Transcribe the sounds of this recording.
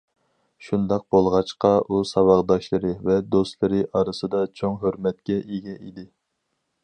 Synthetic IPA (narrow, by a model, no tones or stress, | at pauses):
ʃund̪ɑq̚bolˠʁɑt͡ʃqɑʔusɑwɑʁd̪ɑʃlˠɨɾɨvɛd̪ost̪lˠɨɾɨʔɑɾɨsɨd̪ɑt͡ʃʰoŋɦøɾmɛt̪̚kʲɛʔeɡʲɛʔid̪ɪ